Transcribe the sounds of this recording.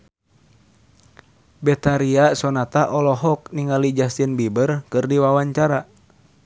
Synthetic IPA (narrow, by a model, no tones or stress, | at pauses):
bɛt̪aɾiasɔnat̪aʔɔlɔɦɔk̚niŋalid͡ʒasinbibərkɨrdiwawaɲt͡ʃaɾa